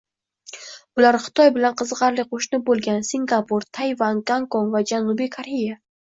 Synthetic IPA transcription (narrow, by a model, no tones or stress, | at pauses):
ʊlaɾχɨ̥t̪ʰɒjbɪlanqʰɨzʁɑɾlɪqʰoʃnɪbolˠɡʲansiŋɡapuɾt̪ʰajvanɡaŋkonvad͡ʒanʊbijkʰaɾeja